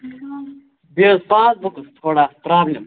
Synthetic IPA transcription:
beːzpãːt͡sbukɨst̪ʰoːɽaːpɾaːblem

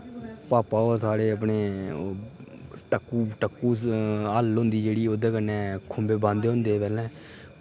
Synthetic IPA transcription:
paːpaːosaːɽeːəp̬ɳeː | ʈəkːuːʈəkːuːəlɦõnd̪iːd͡ʒeːɽiːoːd̪ẽːkənːɛ̃ːkʰʊmbeːbãːnd̪eːɦʊ̃nd̪eːpɛːlɛ̃ː

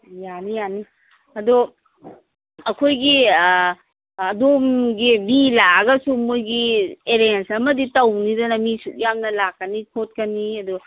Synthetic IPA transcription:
janijani | ɐdɔ | ɐkʰojɡi | domɡibilaɡɐsumojɡieɾensɐmɐditɐwnidɐnɐmisuk̚jamnɐlakːɐnikʰot̚kɐniɐdu

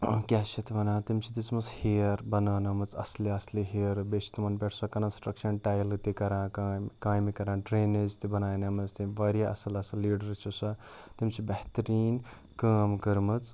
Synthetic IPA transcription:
kʲaset̪ʰʋɐnãːt̪imt͡ʃʰit̪it͡smɐt͡shiɐɾbɐnaːnɐmɐt͡sɐ̰sliɐsliɦiɐɾbesi̥t̪mɐnbeʈʰsɐkɐnɐnsʈrɐkt͡ʃʰɐnʈajlt̪ikɐɾãːkakãːjmikɐɾãːɖɾeːnezt̪ibɐnaːjnɐmɐt͡st̪iʋɐɾjaʔɐ̰sɐlɐsɐlːiːɽɐɾt͡ʃʰusɐ | t̪imt͡sʰibɐht̪ɐɾiːn | kaːmɡɐɾmɨt͡s

